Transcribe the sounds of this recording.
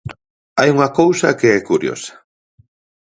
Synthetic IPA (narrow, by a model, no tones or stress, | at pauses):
ajuŋakowsakeekʊɾjo̰sḁ